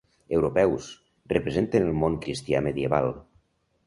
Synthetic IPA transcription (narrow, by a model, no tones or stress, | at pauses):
ewɾopɛws | rəpɾezent̪enəlˠmoŋkɾist̪ia̰məðjeβa̰lˠ